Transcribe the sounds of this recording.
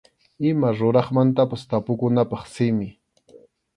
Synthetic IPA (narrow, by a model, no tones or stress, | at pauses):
ɪmaɾʊɾɑχmant̪apast̪apʊkʊnapɑχsɪmɪ